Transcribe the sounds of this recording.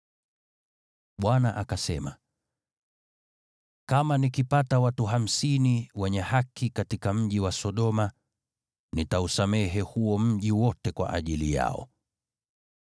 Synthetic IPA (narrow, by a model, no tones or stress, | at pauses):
ɓwanaʔakasɛma̰ | kamanikipatawatuɦam̩siniwɛɲɛhakikatikam̩ʄiwasɔɗɔma | nitausamɛɦɛhuɔm̩ʄiwɔtɛkwa̰ʔa̰ʄilija̰ɔ̰